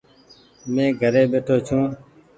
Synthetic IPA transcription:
mẽːɡʱəɾeːɓeːʈʰoːt͡ʃʰũː

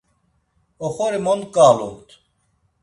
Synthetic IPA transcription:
oxoɾimond̪kaːlṵnt̪

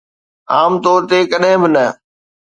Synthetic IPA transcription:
aːmt̪oːɾt̪ekəɗɦɪ̃bɪnə

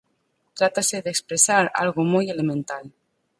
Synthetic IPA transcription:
t̪ɾat̪aseðekspɾesaɾa̰lɣomujelemẽnt̪al

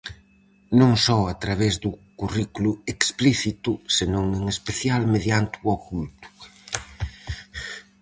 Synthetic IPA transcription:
nõŋsɔat̪ɾaβ̞ezðʊkurikuluekspliθit̪ʊsenõŋeŋespeθjalmeðjant̪uɔkult̪ʊ̥

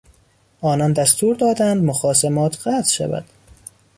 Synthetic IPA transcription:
ʔɒːnɒnd̪æst̪uːɾd̪ɒːd̪ænd̪moxɒːsemɒːt̪ʰɢæːt̪ʰʃæ̰væ̰d̪̥

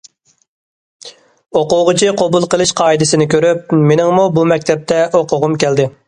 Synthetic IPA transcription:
oqʊʁɨt͡ʃʰiqʰobulˠqəlˠɨʃqʰɑːid̪ɪsɪnɪkʲʰøɾyp̚menɪŋmubumɛkʲt̪ʰɛp̚t̪ʰɛʔoqʊʁʊmkʲæld̪ɪ

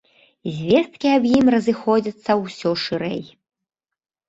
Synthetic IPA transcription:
zʲvʲɛst̪̚kʲiabjimrɐzɨxɔd͡zʲɐt̪sːɐwsʲɔʂɨɾɛ̰j

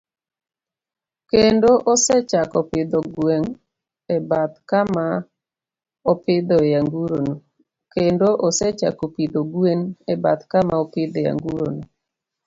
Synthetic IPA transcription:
kendoʔɔsɛt͡ʃakɔpɪd̪ɔɡweŋ | ɛbat̪kama | ɔpɪd̪ɔjaŋɡuɾono | kendoʔɔsɛt͡ʃa̰kopid̪oɡwenɛba̰t̪kamaopɪd̪ɔja̰ŋɡuɾo̰no

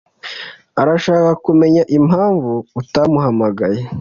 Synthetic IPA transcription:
aɾaʃaːkakume̞ɲaʔimhaːɱvuːtamuɦamaɡaje

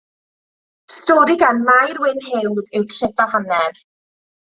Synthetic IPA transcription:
stɔːɾiɡanmajɾwɪnhɪwzejtʰr̥ɛvaɦanɛv

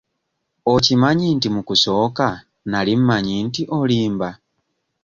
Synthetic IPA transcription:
ocimaɲiːntimukuso̞ːka | nalim̩maɲiːntiʔoliːmba

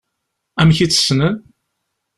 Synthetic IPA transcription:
æmçit͡sːə̥snəð

